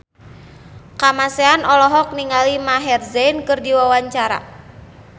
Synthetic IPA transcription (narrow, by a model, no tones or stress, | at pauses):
kamaseanɔlɔɦɔk̚niŋalimaɦɛrzɛnkɨrdiwawaɲt͡ʃaɾa̰